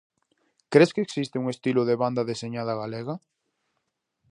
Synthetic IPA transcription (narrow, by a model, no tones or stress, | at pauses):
kɾeskeːksist̪ɪuŋest̪iloðeβand̪ɐðeseɲað̞ɐɣaleɣɐ